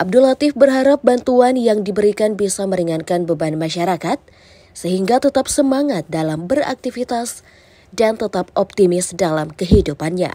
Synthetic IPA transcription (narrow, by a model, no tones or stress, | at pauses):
ʔab̚dulat̪ɪfbərɦaɾap̚bant̪uanjaŋdibəɾikanbisaməɾiŋankanbəbanmaʃaɾakat̪̚ | səɦiŋɡat̪ət̪ap̚səmaŋat̪̚dalambəɾa̰k̚t̪ifit̪as | dant̪ət̪apɔp̚t̪imɪsdalamkəɦidupanɲa̰